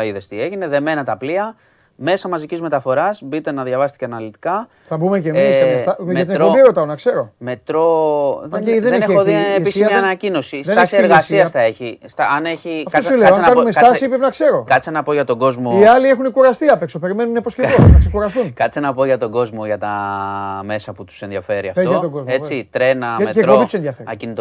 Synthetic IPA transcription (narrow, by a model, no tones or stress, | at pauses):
ɐiðest̪ieʝineðe̞me̞nɐt̪ɐpliɐ | me̞sɐmɐzicizme̞t̪ɐfo̞ɾɐsbit̪e̞nɐðʝɐvɐst̪i̥ceɐnɐlit̪i̥kɐ | θɐbumecemesɐɐst̪ɐmɐt̪ineoieɾot̪ɐonɐkse̞ɾo̞me̞t̪ɾo̞ððeeeoðieisɐɐenɐcino̞sisðenesieɾɣasiɐsθɐeçist̪ɐɐneçiɐfkosuleoɐkɐnumestɐɐsipɾepenɐkse̞ɾo̞kɐt̪t͡senɐpo̞ʝɐt̪oɡo̞zmoiɐlie̞xunikuɾɐst̪iɐpeksope̞ɾime̞nuneposcevonɐksekuɾɐst̪unkɐt͡senɐpoʝɐt̪o̞ɡo̞zmo̞ʝɐt̪ɐ | me̞sɐput̪u̥senðiɐfe̞ɾiɐfeoɐt̪oɡo̞zmet͡sit̪ɾe̞nɐɐmeeomit̪usenðjɐfeɾiɐcinit̪o